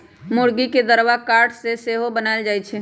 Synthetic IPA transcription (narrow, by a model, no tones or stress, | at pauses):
mʊɽɡiked̪əɾwakaːɾʈseseːɦobənaːɪld͡ʒaːit͡ʃʰeː